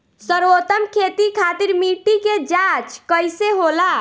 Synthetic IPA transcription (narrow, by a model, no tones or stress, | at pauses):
səɾot̪əmkʰet̪ikʰat̪iɾmiʈiked͡ʒat͡ʃkəjseɦola